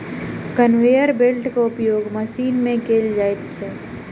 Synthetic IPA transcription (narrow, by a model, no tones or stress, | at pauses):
kənʋejəɾbelʈkaʊpjoːɡməʃiːnmẽkeːld͡ʒaːet̪t͡ʃʰɛ